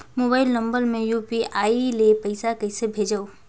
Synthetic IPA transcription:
moːbaːɪlnə̃mbəɾmẽjuːpiaːilepɐɪsakɐɪsebʱeːd͡ʒao

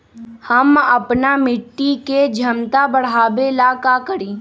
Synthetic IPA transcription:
hɐmɐpnamɪʈːiked͡ʒʱɐmt̪abɐɽ̤aːbelaːkakəɾĩː

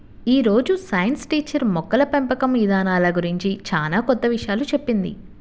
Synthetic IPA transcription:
iːɾo̞ːd͡ʒusɐjɐnsʈiːt͡ʃːɐɾmɔkːɐlɐpempɐkɐmʋid̪ʱaːnaːlɐɡuɾiɲt͡ʃit͡ʃaːlaːkɔt̪ːɐʋiʂjaːlut͡ʃe̞pːind̪ḭ

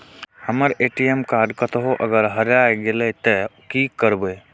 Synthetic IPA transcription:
həməɾeʈiemkaɾɖkət̪ɦoʔəɡəɾɦəɾjajɡelet̪əkikəɾbe

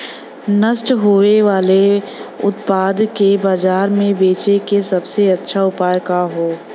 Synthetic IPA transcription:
nəsʈɦoeʋaːleʊ̰t̪paːd̪kebaːd͡ʒaːɾmẽbeːt͡ʃekesɐbseɐtːʃʰaʊpaːjkaɦoː

